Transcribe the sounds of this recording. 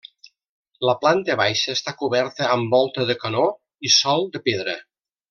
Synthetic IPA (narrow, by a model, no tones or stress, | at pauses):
ləplant̪əβajʃəːst̪akuβɛɾt̪əːmbɔlˠt̪əðəkəno | isɔlˠd̪əpeðɾə